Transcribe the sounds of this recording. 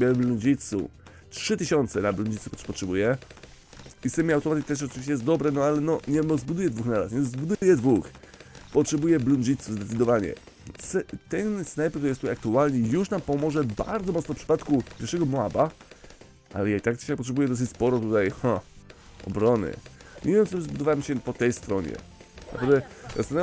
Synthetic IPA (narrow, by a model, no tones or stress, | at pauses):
bʲɛbluɲʲd͡ʑit̪sṵ | tʂɘt̪ɘɕɔnt̪sɛnabluɲʲd͡ʑit̪supɔtʂɛbujɛ | ist̪ɛmʲiawt̪ɔmat̪mit̪ɛʂ̬ɔt͡ʃɨviɕt͡ɕɛjɛs̬t̪d̪ɔbɾɛnɔalɛnɔɲɛmɔzbud̪ujɛd̪vuxnaɾa̰sɲɛzbud̪ujɛd̪vux | pɔtʂɛbujɛbluɲd͡ʑit̪suzd̪ɛt̪sɨd̪ɔvaɲɛ̰ | sɛt̪ɛnsnajpkt̪uɾjɛst̪uajak̚t̪ualɲɛjuʂnampɔmɔʐɛba̰ɾd̪zɔmɔt̪snɔfpʂɘ̥pat̪kupʲjɛɾʂɛɡɔmɔaba | ʔa̰lɛjait̪akt̪akpɔtʂɛbujɛd̪ɔs̬ɨt͡ɕʲspɔɾɔt̪ut̪ajxã | ɔ̰bɾɔnɘ̰ɲʔevʲjɛmt͡s̪st̪ɔbzbud̪ɔvawɛmɕɛpɔt̪ɛjst̪ɾɔɲɛ̰ | na̰pɾavd̪ɛzast̪ana